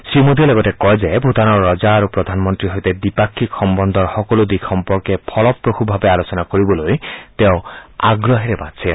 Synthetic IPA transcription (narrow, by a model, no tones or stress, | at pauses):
simod̪ʱileɡɔtekɔjd͡ʒebʱut̪anɔɾːɔd͡ʒaːɾupɾɔd̪ʱanɔmɔnt̪ɾiɦojt̪ed̪ipakʰːikxɔmbɔnd̪ʱɔɾhɔkɔlud̪ikʰɔmpɔɾkepʰɔlɔpɾokʰubʱabealot͡ʃɔnakoɾibɔlojt̪eʊa̰ɡɾɔɦeɾebatsʰe